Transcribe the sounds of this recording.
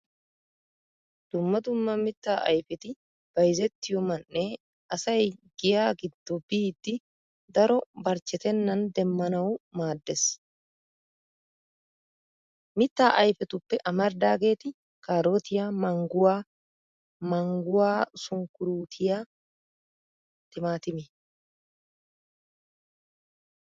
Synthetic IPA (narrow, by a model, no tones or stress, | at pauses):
d̪̥ʊmːɐd̪ʊmːɐmɪt̪ːaːʔɐ̰jfɛt̪ɪ | b̥ɐjzɛt̪ːɪjɔmɐnʔːe | ɐsɐjɡɪjaːɡɪd̪ːɔbiːd̪ːɪ | d̪ɐɾɔbɐɾt͡ʃːɛt̪ɛnːɐnd̪ɛmːɐnɐwmaːd̪ːɛs | mɪt̪ːaːʔɐjfɛt̪ʊpːɛʔɐmɐɾd̪aːɡe̞ːt̪ɪ | kaːɾo̞ːt̪ɪjamɐŋɡʊwaː | mɐŋɡʊwaːsʊŋkʊɾuːt̪ʰɪja | t̪ɪmaːt̪ɪmɪ